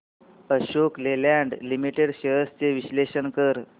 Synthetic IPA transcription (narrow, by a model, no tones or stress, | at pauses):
əɕoklelaɳɖlimiʈeɽɕəəst͡seʋiɕleɕəɳkəɾ